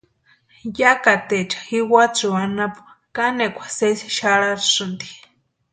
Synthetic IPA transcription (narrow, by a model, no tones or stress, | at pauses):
jakat̪et͡ʃḁxiwat͡suanapu̥ | kanekʷʰḁsesi̥ʃaɺaɾsɨnd̪i̥